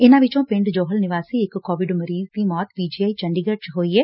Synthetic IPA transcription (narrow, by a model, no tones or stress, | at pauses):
ɪnãːʋɪt͡ʃõːpɪ̃ɳɖd͡ʒoːɦəlnɪʋaːsiːɪkːɔːʋɪɖməɾiːzd̪iːmɔːt̪piːd͡ʒiːaːiːt͡ʃə̃ɳɖiːɡəʈt͡ʃɦoːiɛː